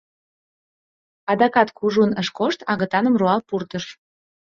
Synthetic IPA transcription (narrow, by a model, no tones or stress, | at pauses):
ɑd̪ɑkɑt̪kuʒunəʃkoʃt̪ɑɣə̆t̪ɑnə̆mroɑlpurt̪əʃ